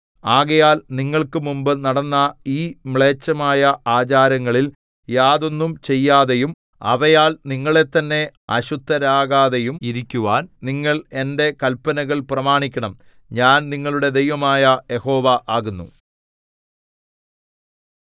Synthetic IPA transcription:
aːɣɐjaːlniŋːɐɭkɨmumbɨnɐɽɐnːɐiːmɭe̞ːt͡ɕːɐmaːjɐaːt͡ɕaːɾɐŋːɐɭil | jaːðo̞nːumt͡ɕe̞jːaːðe̞jum | ɐ̰ʋɐjaːlniŋːɐɭe̞t̪ːɐnːe̞ɐ̰ɕud̪ːɐɾaːɣaːðejumiɾikʲːuʋaːnniŋːɐɭe̞nde̞kɐlpːɐnɐɣɐɭprɐmaːɳikʲːɐɳɐm | ɲaːnniŋːɐɭuɽe̞d̪ejʋɐmaːjɐje̞ho̞ːʋaʔaːɣunːu

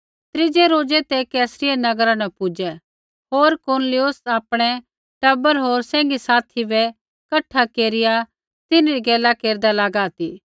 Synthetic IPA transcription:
t̪ɾɪd͡ʒɛɾoːd͡ʒɛt̪ekɛːsɾɪenɐɡɾãnɐ̃pʊd͡ʒɛ | ɦoːɾkoɾnlɪjʊsaːpɽ̃ɛ | ʈɐbəɾɦoːɾsɛ̃ːŋɡisaːt̪ʰibɛ | kɐʈʰːakeːɾɪja | t̪ɪnɾiɡɛːlakeːɾd̪alaːɡaːt̪iː

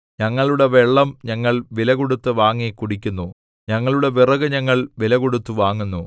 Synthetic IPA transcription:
ɲɐŋːɐɭuɽe̞ʋeɭːɐmɲɐŋːɐɭʋilɐɣoɽut̪ːɨʋaːŋːekuɽikʲːunːu | ɲɐŋːɐɭuɽe̞ʋirɐɣɨɲɐŋːɐɭʋilɐɣoɽut̪ːuʋaːŋːunːu

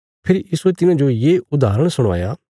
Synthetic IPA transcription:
pʰɪɾjiːsuet̪ɪnãd͡ʒojeʊd̪ʱaːɾəɽ̃sʊɽ̃a̰ːjaː

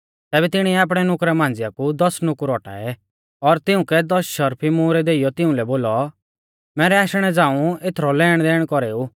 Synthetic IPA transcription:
t̪ɛːbɛt̪ɪɽ̃iɛaːp̬ɽ̃ɛnʊkɾɛmãːnd͡zɪjakud̪ɔsnʊkɾɔːʈa̰ːɛ | ɔɾt̪ɪʊ̃kɛd̪ɔsʃɐɾpʰimuːɾɛd̪eːijɔt̪ɪʊ̃lɛboːlɔ | mɛːɾɛaːʃɽ̃ɛd͡zãːũet̪ʰɾɔlɛːɽ̃d̪ɛːɽ̃kɔɾeːuː

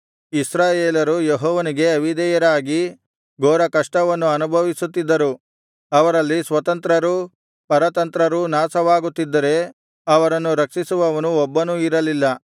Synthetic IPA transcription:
isɾaːjeːlɐɾujeɦɔːʋɐniɡe̞ɐʋid̪ɛjɐɾaːɡi | ɡɔːɾɐkɐʂʈɐʋɐnːuɐnubʱɐʋisut̪ːid̪ːɐɾu | ɐʋɐɾɐlːisʋɐt̪ɐnt̪ɾɐɾu | pɐɾɐt̪ɐnt̪ɾɐɾunaːsɐʋaːɡut̪ːid̪ːɐɾe̞ | ɐʋɐɾɐnːuɾɐkʂisuʋɐʋɐnuɔbːɐnuiɾɐlilːɐ

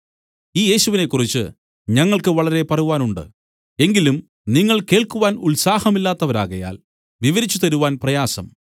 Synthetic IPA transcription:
iːje̞ːɕuʋine̞kːurit͡ɕːɨ̰ | ɲɐŋːɐɭkɨʋɐɭɐɾe̞pɐruʋaːnuɳɖɨ̰ | e̞ŋɡilum | niŋːɐɭke̞ːɭkuʋaːnulsaːhɐmilːaːt̪ːɐʋɐɾa̰ːɣɐja̰ːl | ʋiʋɐɾit͡ɕːut̪ɐɾuʋaːnprɐjaːsɐ̰m

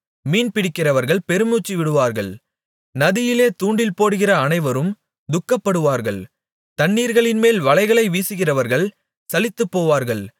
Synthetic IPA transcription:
miːnpɪɽɪkːɪrɐʋɐɾɣɐɭpɛɾɯmuːt͡ʃːiʋɪɽɯʋaːɾɣɐɭ | nɐðɪjɪleːt̪uːɳɖɪlpoːɽɯɣɪrɐːnɐɪʋɐɾɯm | d̪ʊkːɐpːɐɽɯʋaːɾɣɐɭ | t̪ɐɳːiːɾɣɐɭɪnmeːlʋɐlɐɪɣɐɭɐɪʋiːsɯɣɪrɐʋɐɾɣɐɭ | sɐlɪt̪ːɯpːoːʋaːɾɣɐɭ

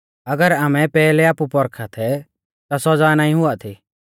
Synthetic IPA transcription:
ɐɡəɾaːmɛpɛːlɛaːpupɔɾkʰat̪ʰɛ | t̪asɔd͡zaːnaːĩɦʊat̪ʰi

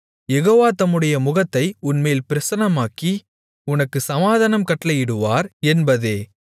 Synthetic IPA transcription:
jɛɣoːʋaːt̪ɐmːɯɽɐjɐmʊɣɐt̪ːɐɪʊnmeːlpɪɾɐsɐnɐmaːki | ʊnɐkːɯsɐmaːðɐnɐmkɐʈːlɐjɪɽɯʋaːɾɛnbɐðeː

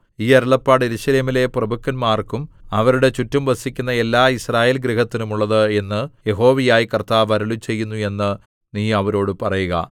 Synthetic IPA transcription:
iːɐɾɐɭɐpːaːɽeɾuɕɐle̞ːmile̞prɐbukːɐnmaːrkumɐʋɐɾuɽe̞t͡ɕutːɐmʋɐsikʲːunːɐe̞lːaːisraːje̞ːlɡɾiɦɐt̪ːinumuɭːɐðɨe̞nːɨje̞ɦo̞ːʋijaːjikɐrt̪aːʋɐɾɐɭut͡ɕe̞jːunːue̞nːɨ | niːɐʋɐɾo̞ːɽɨpɐrɐjuɣɐ̰

